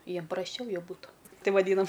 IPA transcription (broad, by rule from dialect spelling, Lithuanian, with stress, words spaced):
ˈjiɛm prɐsʲˈt͡ʃʲɛʊ jɛʊ ˈbuːtʊ ˈtɐɪ ʋɐˈdʲiːnɐm